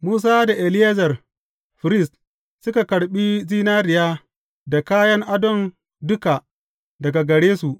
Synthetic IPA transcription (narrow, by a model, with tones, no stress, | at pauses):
muː˦s̬aː˦da˨ʔe˨lɪ˦ja˦zɐ˨r | ɸɪ˨ɾɪ˦˨st | sʊ˦ka˨kɐ˨ɽɓi˦ziː˦naː˦ɾɪ˨jaː˦ | da˨kaː˦jɐ˦ŋʔa˦dɔ˨n | dʊ˦ka˨ | dɐ˨ɡa˨ɡɐ˨ɽeː˦su˨ʔ